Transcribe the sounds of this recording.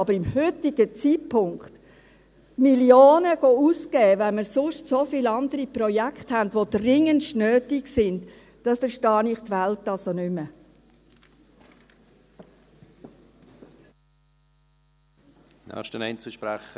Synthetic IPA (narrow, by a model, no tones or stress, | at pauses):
ɑbəɾɪmhʏt̪ɪɡ̥ət͡sitpʰʊŋkt̪ | miljoːnəɡ̥ouskɛːʋɛnməɾsʊʃtsofiːlɑnd̥̪əɾipɾɔjækχthæntʋod̥rɪŋənʃnøːtɪksɪnd | d̥ɑfəɾʃtɑːnɪχtʋæltːɑsonʏmə | nɛ̰ʃtənɛɪnt͡səʃpɾæχə